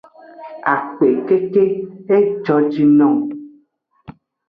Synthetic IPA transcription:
a̰˨k͡pe˨ke˦ke˦e˦d͡ʒɔ˦d͡ʒi˦nɔ̃˦˨

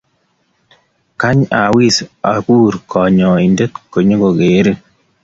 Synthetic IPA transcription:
ka˦ɲa˨wi˦sa˨ku˦ɾkʰɔ˨ɲɔ˨i˨nde˦tko˨ɲo˦ko˨ke˨˦ɾi˦

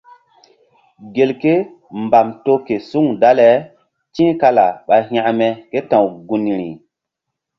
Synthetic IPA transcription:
ɡe˨lke˦ | mba˨mto˦ke˨su˦ŋda˦le˨ | t͡ʃĩ˦ka˦la˨ɓa˨jɦj̃ã˦ʔme˨ke˦tã˨wɡu˨ni˨ɾḭ˨

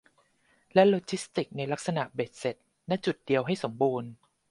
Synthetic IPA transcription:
lɛ˦˥loː˧t͡ɕʰi˦˥st̪i˨˩k̚na˧jla˦˥k̚sa˧na˨˩beː˨˩t̪̚se˨˩t̪̚ | nɛ˦˥t͡ɕu˨˩t̪̚di˧əwɦa˥˩jso˩˦mbuː˧n

